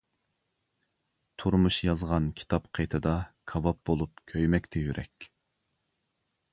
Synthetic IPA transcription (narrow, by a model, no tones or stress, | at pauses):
t̪ʰuɾmuʃjɑzʁɑnkʲʰi̥t̪ʰɑpqʰejt̪ʰɨd̪ɑkʰɑvɑp̚bolˠup̚kʲʰøjmɛkʲt̪ʰɛjyɾʔɛ̰kʲ